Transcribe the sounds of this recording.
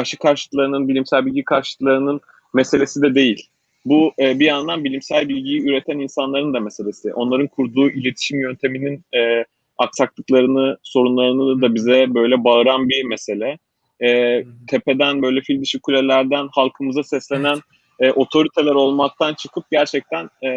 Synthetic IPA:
aʃɯkʰaɾʃɯklˠaɾɯnɯnbilʲimsælʲbilʲɟikʰaɾʃlɯklˠaɾɯnɯn | mese̞lʲe̞sid̪ɛd̪e̞jilʲ | buɛːbijand̪anbilʲimsælʲbilʲɟijiyɾet̪ʰæninsanlˠaɾɯnd̪amese̞lʲe̞siʔo̞nlˠaɾɯnkʰuɾd̪uːʔilʲe̞t̪ʰi̥ʃimjø̞nt̪ʰe̞mininɛː | aksaklˠɯklˠaɾɯnɯso̞ɾunlˠaɾɯnɯd̪d̪abizɛbø̞jlʲɛbaɯɾanbimese̞lʲɛː | t̪ʰe̞pe̞d̪ænbø̞jlʲɛfilʲd̪iʃikʰulʲelʲæɾd̪ænhalˠkʰɯmɯzasɛslʲe̞næn | ɛːʔo̞t̪ʰo̞ɾit̪ʰe̞lʲæɾo̞lˠmak̚t̪ʰant͡ʃʰɯkʰɯp̚ɟæɾt͡ʃʰɛc̚t̪ʰænː

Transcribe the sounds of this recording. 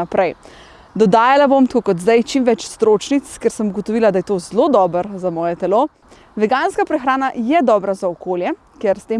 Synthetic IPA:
apɾɛj | d̪ɔd̪aːjalabomt̪koːkɔd̪zd̪ajt͡ʃimʋɛt͡ʃst̪ɾoːt͡ʃnit̪skɛɾsəmuɡɔt̪ɔʋiːlad̪ajɛt̪ozlod̪ɔːbəɾzamɔːjɛt̪ɛlo | ʋɛɡaːnskapɾɛxɾaːnajɛd̪ɔːbɾazaɔkoːljɛ | kjɛɾst̪eː

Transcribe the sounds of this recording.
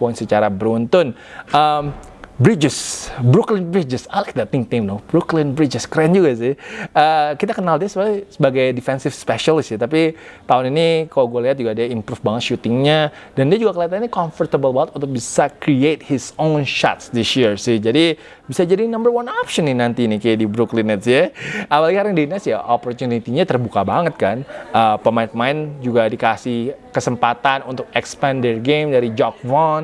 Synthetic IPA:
pɔɪ̃nsət͡ʃaɾabəɾunt̪ʊn | ʔəm | bɾid͡ʒɪsbɾuklɪnbɾid͡ʒɪsajlajk̚d̪at̪̚ɪ̃ŋk̚t̪ĩmnobɾuklɪnbɾid͡ʒɪskɾand͡ʒuɡas̬ɪhəkit̪akənaldiasəbaɡajsəbaɡajdifɛnsɪfspɛʃalɪsit̪ap̬it̪aʊninikalaɡualiɦat̪̚d͡ʒuɡadiaimpɾufbaŋət̪ʃut̪ɪŋɲadandiad͡ʒuɡakəliat̪aninikɔnfərt̪əbəlbaət̪ɔt̪obisakɾiet̪̚hɪsonʃa̰t̪sd̪ɪsjirsɪhd͡ʒadi | bisad͡ʒadinambərwanɔpʃənːinant̪inikedibɾuklinɛt̪sɛawalaɡikaɾaŋdinasja̰ʔopɔrt̪unit̪iɲat̪ərbukabaŋət̪̚kanəpəmaɪt̪̚maɪnd͡ʒuɡadikasɪhkəsəmpat̪anunt̪ʊk̚ɛkspandərɡemdaɾid͡ʒɔk̚vɔn

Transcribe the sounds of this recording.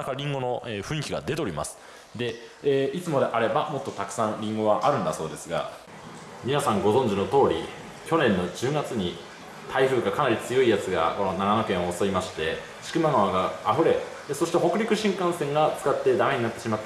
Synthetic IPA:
akaɾʲĩŋɡo̞no̞eɸɯ̟̃ɰ̃ikʲiɡa̰d̪e̞t̪eoɾʲima̰sɨ̥ | d̪e̞ | eːit͡sɨmo̞d̪e̞ʔaɾe̞bamo̞t̪ːot̪akɯ̟̥sãnɾʲĩŋɡo̞βaʔaɾɯ̟̃nd̪aso̞ːd̪e̞sɨɡa̰ | mʲinasãŋɡo̞zõ̞ɲ̟d͡ʑino̞t̪o̞ːɾʲḭ | kʲo̞nẽ̞nːo̞d͡ʑɨːɡat͡sɨɲ̟i | t̪ʰaiɸɯ̟ːɡakanaɾʲit͡sɨjo̞ijat͡sɨɡa̰ko̞no̞naɡanokẽɰ̃osoimaɕi̥t̪e̞ | ɕi̥kɯ̟maɡaβaɡaːɸɯ̟ɾe̞ | so̞ɕi̥t̪eɦo̞kɯ̟ɾʲikɯ̟ɕĩŋkãsẽ̞ŋɡat͡sɨ̥kat̪ːe̞d̪ameɲinat̪ːe̞ɕima

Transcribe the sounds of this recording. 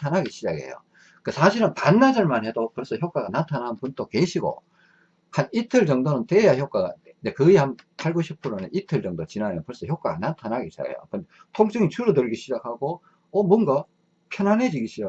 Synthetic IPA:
tʰanɦaɡiɕʰid͡ʑaɡḛjo̰ | kɯsʰaɕʰiɾɯnpanːad͡ʑʌɭmanɦe̞dopɯɭs͈ʌçjok͈aɡanatʰanɦanpunt͈ʰokeɕʰiɡo̰ | hanitʰɯɭt͡ɕʌŋdonɯntejaçjok͈aɡa̰ | ndekɯihanpʰaɭɡoɕʰipʰɯɾoneʔitʰɯɭd͡ʑʌŋdot͡ɕinanʌnpwʌɭs͈ʌçjok͈aɡanatʰanɦaɡiɕʰid͡ʑa̰ɡḛjo̰kɯnde | tʰoŋt͡ɕ͈ɯŋit͡ɕʰuɾodɯɭɡiɕʰid͡ʑak̚haɡo | ʌmuʌnɡa | pʰjʌnaned͡ʑiɡiɕʰid͡ʑa

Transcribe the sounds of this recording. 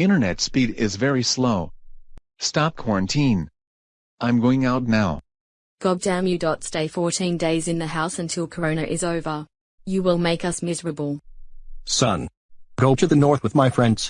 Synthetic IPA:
ɪ̃ɾ̃ə˞nɛtspiɾɪzvɛɹisloʊ | stɑp̚kʰw̥ɔɹɨ̃ntʰĩn | ʔãɪ̃mɡoʊɪ̃ŋaʊtⁿnaʊ | ɡ̥ɑɡ̚dãmjɨdɔtsteɪfɔɹɾĩndeɪzɨ̃nðɨɦaʊsɨ̃ntʰɪlˠkʰə˞õʊ̃ñɨʔɪzoʊvə | jɨwɪlˠmeɪkʌsmɪzəɹəbəlˠ | sʌ̰̃n | ɡ̥oʊtɨðɨnɔɹθwɨðmaɪfɹɛ̃ndz̥

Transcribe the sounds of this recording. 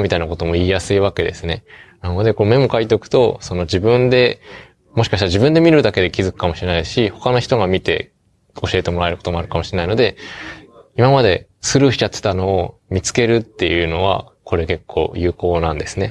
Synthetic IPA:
mʲit̪ainako̞t̪o̞mo̞iːjasɨiβ̞ake̞d̪e̞sɨne̞nano̞d̪e̞ko̞nome̞mo̞kait̪okɯ̟̥t̪o̞so̞no̞d͡ʑibɯ̟̃nd̪e̞ | moɕi̥kaɕit̪aɾaʑibɯ̟̃nd̪e̞mʲiɾɯ̟d̪ake̞d̪e̞kʲizɨkɯ̥kamo̞ɕiɾe̞naiɕiho̞kano̞çi̥t̪o̞ɡamʲit̪e̞̰ | o̞ɕie̞t̪e̞mo̞ɾaeɾɯ̟ko̞t̪o̞mo̞aɾɯ̟kamo̞ɕiɾenaino̞d̪e̞ | imamad̪e̞ | sɨɾɯçi̥t͡ɕat̪ːe̥t̪ano̞ːmʲit͡sɨ̥ke̞ɾɯ̟t̪ːe̞jɯ̟no̞β̞a̰ | kʰo̞ɾe̞ke̞kʰːo̞̰ːjɯ̟ːko̞ːnãnd̪e̞sɨne̞

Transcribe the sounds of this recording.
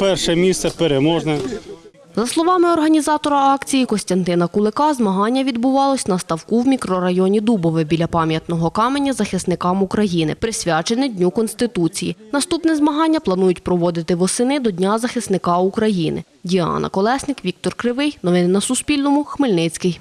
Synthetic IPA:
pɛrʃɛmʲissɛpeɾemɔʒnɛ | zɐslˠɔʋɑmɪɔrɦɐnʲizɑt̪ɔɾɐɑkt͡sʲijikɔsʲt̪ʲɐnt̪ɪnɐkʊlˠɪkɑzmɐɦɑnʲːɐʋʲid̪bʊʋɑlˠɔsʲnɐst̪ɐwkuwmʲikɾɔɾɐjɔnʲid̪ubɔʋɪbʲilʲɐpɑmʲjɐt̪nɔɦɔkɑmenʲːɐzɐxɪsnɪkɑmukɾɐjinɪ̰pɾɪsʲʋʲat͡ʃenɪdʲnʲukɔnst̪ɪt̪ut͡sʲijinɐst̪upnɛzmɐɦɑnʲːɐplˠɐnujʊtʲpɾɔʋɔd̪ɪt̪ɪʋɔsɪnɪd̪ɔdʲnʲazɐxɪsnɪkɑukɾɐjinɪ̰ | dʲiɑ̰nɐ̰kɔlˠɛsnɪkʋʲik̚t̪ɔrkɾɪʋɪjnɔʋɪnnɐsʊspʲilʲnɔmʊxmɪlʲnɪt͡sʲkɪj

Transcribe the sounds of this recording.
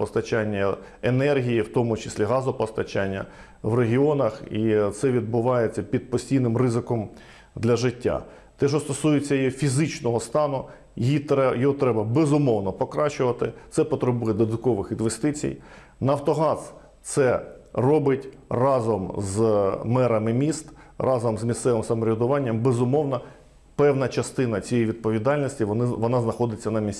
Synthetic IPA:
pɔst̪ɐt͡ʃanʲːɐ | enɛrɦʲijiwt̪ɔmʊt͡ʃɪ̥sʲlʲiɦɑzʊpɔst̪ɐt͡ʃanʲːɐ̰ | ʋreɦʲiɔnɐxit̪sɛʋʲid̪̚bʊʋɑjet͡sʲːɐpʲid̪̚pɔsʲtʲijnɪmrɪzɪkɔm | d̪lʲɐʒɪtʲːa̰ | t̪ɛʒɔst̪ɔsujɪt͡sʲːɐjɔfʲizɪt͡ʃnɔɦɔst̪ɑnʊ | jjijɔɦɔt̪ɾɛbɐbezʊmɔwnɔpɔkɾɑt͡ʃʊʋɐt̪ɪ̰t̪sɛpɔt̪ɾebujɛd̪ɔd̪ɐt̪kɔʋɪxinʋest̪ɪt͡sʲḭj | nɐwt̪ɔɦɑs | t̪sɛrɔbɪtʲ | rɑzɔmzmɛɾɐmɪmʲist̪rʔɑzɔmzmʲist̪sɛʋɪmsɐmɔɾʲɪd̪ʊʋɑnʲːɐmbezʊmɔwnɐ | pɛwnɐt͡ʃɐst̪ɪnɐt͡sʲijejiʋʲid̪̚pɔʋʲid̪ɑlʲnʲisʲtʲinɪʋɔnɑznɐxɔd̪ɪt͡sʲːɐnɐmʲisʲ

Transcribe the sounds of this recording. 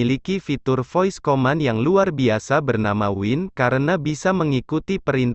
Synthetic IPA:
ilikifit̪ʊrfɔjskomanjaŋluarbiasabərnamawɪnkaɾənabisaməŋikut̪ipəɾint̪

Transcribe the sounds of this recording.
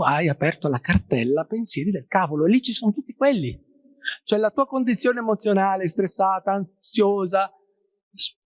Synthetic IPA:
ajapɛrt̪olakart̪ɛlːapensjɛːɾid̪elkaːvoloelːit͡ʃːisonot̪ut̪ːikwelːi | t͡ʃoɛlat̪uːakond̪it̪sːjoːneːmot̪sːjonaːlest̪ɾesːaːt̪aːn | sjoːza | s

